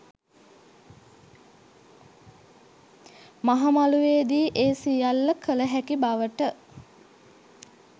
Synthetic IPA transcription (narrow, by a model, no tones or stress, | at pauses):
maɦamaluʋeːd̪iːʔeːsijalːəkʰələɦækibaʋəʈə